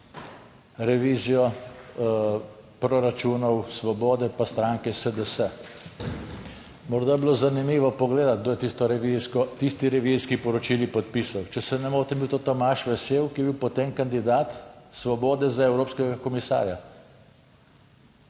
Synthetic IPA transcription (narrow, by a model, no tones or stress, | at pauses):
ɾɛʋiːzijɔ | pɾɔɾat͡ʃuːnɔwsʋɔbɔːd̪ɛpast̪ɾaŋkɛsəd̪əsɛ | mɔɾd̪ajɛbilozanimiːʋɔpɔɡleːd̪at̪̚d̪oːjɛt̪ist̪ɔɾɛʋiziskɔt̪ist̪iɾɛʋiziskipɔɾɔt͡ʃilipɔt̪̚pisawt͡ʃɛsɛnɛmoːɾt̪ɛmiwt̪ot̪ɔmaʃʋɛseːwkijɛbiwpɔt̪emkand̪id̪aːt̪sʋɔbɔːd̪ɛzaɛwɾoːpskɛɡakɔmisa̰ːɾja